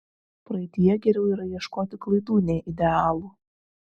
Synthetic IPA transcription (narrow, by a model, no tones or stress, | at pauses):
pɾɐɪt̪ʲijɛɡʲɛɾʲɛʊiːɾɐjiɛʃkoːt̪ʲɪklˠɐɪd̪uːnʲeːʔɪd̪ʲɛɑːlˠuː